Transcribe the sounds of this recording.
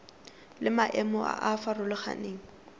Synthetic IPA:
lɪmaʔɛmɔa̰ʔafarʊlɪχa̰neːŋ̩

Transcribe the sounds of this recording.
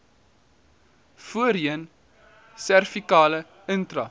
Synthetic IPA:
fuəɾiən | særfikɑːlə | əntrɐ

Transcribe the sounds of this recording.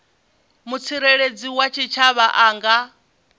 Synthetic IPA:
mut͡sʰiɾeɺed͡ziwat͡ʃʰit͡ʃʰaβaʔaːŋɡa

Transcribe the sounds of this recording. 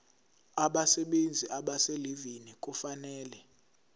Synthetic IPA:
aɓasɛɓend͡zʱiʔaɓaselivinik̬ʼufanɛːlɛ

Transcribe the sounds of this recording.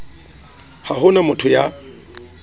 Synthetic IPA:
hahʊnamʊtʰʊja

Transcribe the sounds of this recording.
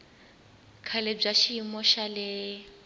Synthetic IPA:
kʰaleb͡ʐaʃiimɔʃalɪ

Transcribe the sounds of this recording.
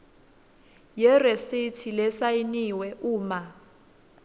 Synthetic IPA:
jɛresitʰilɛsainiwɛʔuːma

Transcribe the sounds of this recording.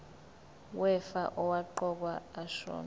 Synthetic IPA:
wɛfaʔɔwaǃɔk̬waːʃɔ̰ːn

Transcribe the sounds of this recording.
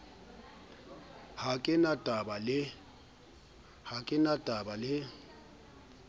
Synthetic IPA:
hakʼɪnatʼabalɪ | hakʼɪnatʼabalɪ

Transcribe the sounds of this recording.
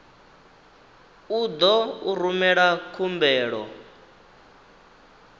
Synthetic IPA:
ud̪ɔuɾumɛɺakʰumbɛːɺɔ

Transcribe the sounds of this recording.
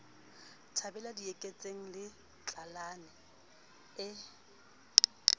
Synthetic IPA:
tʰabɛladiekʼet͡sʼeŋ̩lɪ | t͡ɬʼalanɛ | ɪ

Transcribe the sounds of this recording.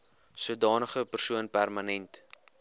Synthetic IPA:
suədɑːnəχəpərsuənpærmənɛnt

